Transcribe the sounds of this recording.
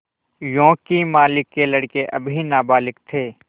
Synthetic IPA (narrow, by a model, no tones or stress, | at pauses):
jõːkimaːlɪkːelɐɽkeʔɐbʱinaːbaːlɪkt̪ʰeː